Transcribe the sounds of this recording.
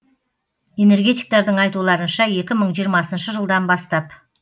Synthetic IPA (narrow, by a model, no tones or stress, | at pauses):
e̞ne̞ɾɡʲe̞t̪ijk̚t̪ɑɾd̪əɴɑjt̪ulˠɑɾənʃɑe̞kʲɪməɴʒijɾmɑsənʃəʒəlˠd̪ɑnbɑst̪ɑp